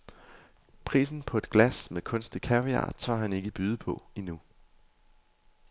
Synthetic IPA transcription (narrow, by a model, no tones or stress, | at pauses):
pʰʁḭːsn̩pʰɒ̽e̝d̥̚ɡ̥læsmekʰɔ̽nsd̥i̥kʰæʁiɑ̰t͡sʰɑ̰ːɦæne̝ɡ̥əb̥yːð̞ˠəpʰɒ̽inu